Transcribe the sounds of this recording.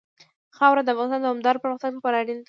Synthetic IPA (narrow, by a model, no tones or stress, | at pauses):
xɑwɾad̪əafɣɑnɪst̪ɑnd̪əʊmd̪ɑɾpəɾməxt̪anpəɾɑɽint̪